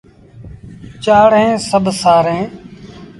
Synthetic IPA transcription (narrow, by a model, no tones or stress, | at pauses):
t͡ʃaːɽɦẽːsəbʱsaːɾẽː